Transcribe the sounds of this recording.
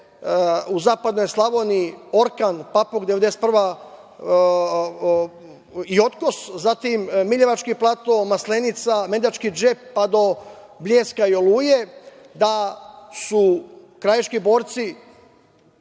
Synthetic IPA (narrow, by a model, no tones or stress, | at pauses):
uzaːpad̪no̞jslˠaʋo̞nio̞ɾkanpapoɡd̪eʋed̪ese̥t̪̚prʋa | io̞t̪ko̞szat̪imːiʎe̞ʋat͡ʃkiplˠat̪o̞maslenit̪same̞d̪at͡ʃkid͡ʒepːad̪o̞ | bʎʲeːskaioluːje | d̪asu | kɾajeʃkibo̞ːɾt̪si